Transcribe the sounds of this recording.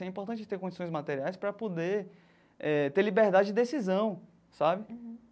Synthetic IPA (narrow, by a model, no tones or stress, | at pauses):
ɛĩpoɾt̪ɐ̃t͡ʃɪd͡ʒɪ̥t̪eɾkõd͡ʒisõj̃zmat̪eɾiajspɾɐpod̪e | ɛt̪eɾlibeɾd̪ad͡ʒɪd͡ʒɪd̪esizɐ̃w̃ | sabɪ